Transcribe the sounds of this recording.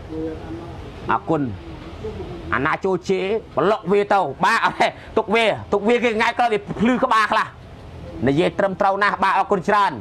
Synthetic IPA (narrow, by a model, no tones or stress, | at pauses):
ʔɔ̰ːkun | ʔa̰naːt͡ɕoːlt͡ɕeːɓəloʔ̚ʋiət̪ɨwɓaːʔɛ | t̪uk̚ʋiət̪uk̚ʋiəkeːŋaj̚kɔːʋiəpʰlɨːkə̆ɓaːkʰlah | nijiəjt̪rəmt̪rəwnahɓaːʔɔːkʊnt͡ɕraən